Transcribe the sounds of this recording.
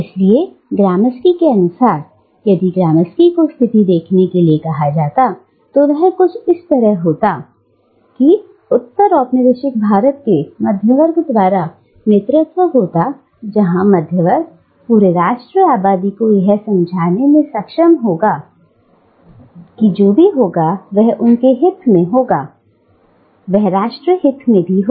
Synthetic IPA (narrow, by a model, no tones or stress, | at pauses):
ɪslie | ɡɾaːməskikeɐnʊsaːɾ | jɐd̪iɡɾaːməskikost̪ʰɪt̪id̪eːkʰnekeliekɐɦad͡ʒaːt̪a | t̪oʋɛɦkʊt͡ʃʰɪst̪ɐɾəɦɦoːt̪a | ki | ʊt̪ːəɾɔːpnɪd̪ɪʃɪk̚bʱaːɾət̪̚kemɐd̪ʱjəʋəɾɡd̪ʋaːɾa | neːt̪ɾɪt̪ʋəɦoːt̪a | d͡ʒɐɦãmɐd̪ʱjəʋəɾɡ̚ | puːɾeɾaːʃʈɾəaːbaːd̪ikojɐɦsɐ̃md͡ʒʱaːnemẽsɐkʃəmɦoːɡaː | kid͡ʒoːbʱiɦoːɡaʋɛɦʔʊnkeɦɪt̪ʰːmẽɦoːɡaː | ʋɛɦɾaːʃʈɾəɦɪt̪ʰmẽbʱiɦoː